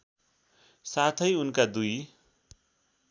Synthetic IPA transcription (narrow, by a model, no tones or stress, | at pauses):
sat̪ʰʌjunkad̪uj